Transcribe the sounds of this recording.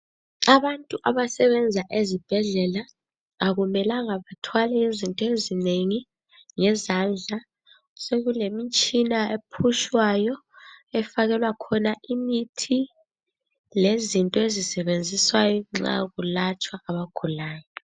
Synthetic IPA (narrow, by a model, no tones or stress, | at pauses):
aβantʼuʔaβasɛβɛnd͡zʱaʔezib̥ʱɛɮɛlaː | ɣumɛlaŋaβatʰwalɛjezintʼɔezineŋi | ŋɛzand͡ɮʱa | seɣulemit͡ʃʼinaepʰuʃwajɔɛfaɣɛlwakʰɔnaʔimitʰi | lezintʼɔezisɛβend͡zʱiswajɔŋ͡ǁa̰ɣulat͡ʃʼwaaβaɡ̥ʱulaːjɔ